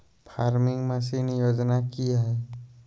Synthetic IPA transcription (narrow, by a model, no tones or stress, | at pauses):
pʰaːɾmɪ̃ŋɡmẽsinjoːd͡ʒnakiɦɛː